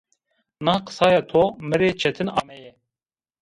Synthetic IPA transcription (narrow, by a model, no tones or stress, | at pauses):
nɑːqə̥sɑːjɑːt̪ʰoːmɨɾeːt͡ʃʰɛt̪ʰɨnɑ̰ːmɛjɛ